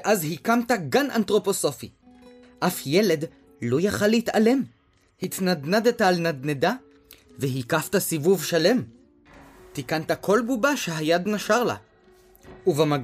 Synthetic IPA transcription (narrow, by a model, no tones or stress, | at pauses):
ʔazɦikamtaɡanʔa̰nt̪ʁo̞po̞so̞fi | ʔafjele̞d | lojaχalːehitale̞m | hit̪nad̪nad̪et̪aːlnad̪neda | veɦikaftasivuvʃale̞m | tikant̪akʰo̞lbubaʃehajad̪naʃaʁla̰ | uvama